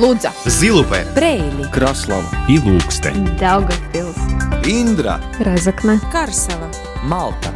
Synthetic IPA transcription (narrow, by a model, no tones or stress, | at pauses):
lˠud̪zazilˠupɛ̰pɾɛjlʲikɾaslˠalilˠuːkst̪ɛ̰d̪awɡapilˠt̪sind̪ɾa̰ | ɾazaknakaɾsala | malˠt̪a